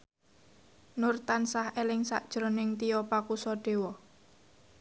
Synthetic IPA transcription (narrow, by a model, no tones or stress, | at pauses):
nʊrt̪ansahelɪŋsa̰ʔd̥ʒ̥ɾonɪŋt̪ijɔpakusɔɖ̥e̤wɔ